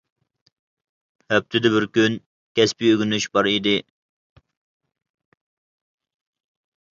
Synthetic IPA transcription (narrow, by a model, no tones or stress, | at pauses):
hɛp̚t̪ʰɪd̪ɪbɪɾkʲyn | kʲʰɛspiøɡʲynyʃbɑɾid̪ɪ